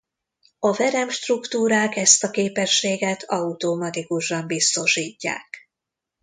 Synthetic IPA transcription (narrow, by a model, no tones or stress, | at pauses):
ɒvɛɾɛmʃt̪rukt̪uːɾaːkɛst̪ɒkeːpɛʃːeːɡɛt̪ʰɒut̪omɒt̪ikuʃɒmbist̪o̞ʃiːcːa̰ːk